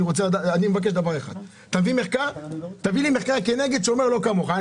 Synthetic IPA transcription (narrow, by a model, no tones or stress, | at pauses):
iʁo̞t͡sed̪aanimevak̬eʃd̪avaʁeχa̰d̪ | t̪avimeχkaʁt̪avilimeχkaʁke̞ne̞ɡe̞d̪ʃeo̞me̞lo̞kamo̞χa